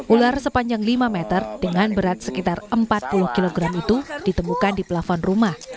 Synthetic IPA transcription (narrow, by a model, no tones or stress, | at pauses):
ʔularsəpaɲd͡ʒaŋlimamet̪ərd̥əŋanbəɾat̪̚səkit̪arəmpat̪̚pulʊhkiloɡɾamit̪ud̥it̪əmukandiplafɔnrumah